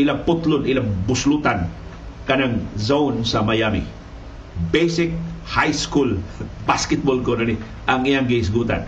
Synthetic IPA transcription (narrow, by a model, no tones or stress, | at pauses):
ʔɪlaŋpʊt̪lʊnɪlaŋbʊslut̪an | kanaŋzaʊnsamajamɪ̰ | bejsɪk̚hajskulbaskɪt̪̚bolkononi | ʔaŋijaŋɡɪɪs̬ɡuːt̪a̰n